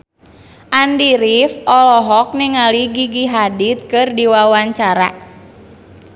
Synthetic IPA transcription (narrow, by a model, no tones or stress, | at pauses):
ʔandiɾifɔlɔɦɔk̚niŋaliɡiɡiɦadit̪̚kɨrdiwawaɲt͡ʃaɾa̰